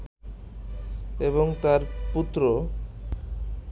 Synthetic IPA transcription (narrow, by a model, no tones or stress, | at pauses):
eβoŋt̪aɾput̪ːɾo